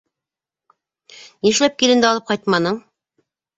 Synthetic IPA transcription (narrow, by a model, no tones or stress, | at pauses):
nĭʃlæp̚kilɘ̆nd̪ɘɑlˠɤp̚qɑjt̪̚mɑnɤɴ